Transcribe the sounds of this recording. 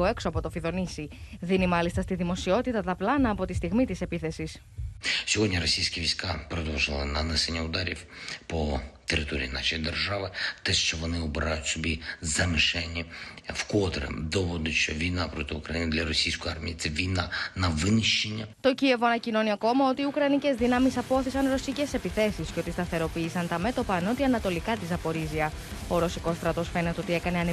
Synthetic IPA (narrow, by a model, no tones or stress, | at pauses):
oe̞ksoɐpo̞t̪o̞fiðo̞nisiðinimɐlist̪ɐst̪iðimo̞sio̞t̪it̪ɐt̪ɐplɐnɐːpo̞t̪ist̪iɣmit̪ise̞piθe̞sis | sʲɔɦɔd̪ʲɲʲiɾɔsʲijsʲkɐʋʲijsʲkapɾɔd̪ɔwʒɪlˠɪnɐnɛsenʲːɐʊd̪aɾʲḭwpɔt̪eɾɪt̪oɾʲḭjinɑʃjd̪erʒaʋɪt̪ɛʃt͡ʃɔʋɔnɪɔbeɾajʊtʲsɔbʲizɐmɪʃɛnʲːiwkɔt̪ɾḛd̪ɔʋɔd̪ʊʃt͡ʃɔʋʲijnapɾɔt̪ɪukɾɐjinɪd̪lʲɐɾɔsʲijsʲkojaɾmʲḭjit̪sɛʋʲijnanɐʋɪnɪʃt͡ʃenʲːɐt̪o̞cie̞voɐnɐcino̞niɐko̞mɐo̞t̪iːukɾɐnice̞zðinɐmisɐpooθisɐnɾo̞sice̞se̞piθe̞sisceo̞t̪ist̪ɐθe̞ɾo̞piːsɐnt̪ɐme̞t̪o̞pɐːno̞t̪iɐnɐt̪o̞likɐt̪izɐpo̞ɾiziɐ | o̞ɾo̞siko̞st̪ɾɐt̪o̞sfe̞ne̞t̪eo̞t̪ie̞kɐne̞ɐne